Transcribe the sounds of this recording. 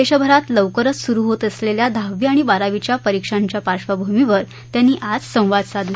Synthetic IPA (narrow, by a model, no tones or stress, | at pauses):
eɕəbʱəɾat̪ləʋkəɾət͡ssuɾuːɦot̪əsleljad̪ʱaʋiaɽ̃ibaɾaʋit͡ɕjapəɾikʂaɲt͡ɕjapaɾɕʋabʱumiʋəɾ | t̪janːiːʔad͡zsə̃w̃ʋad̪sad̪ʱ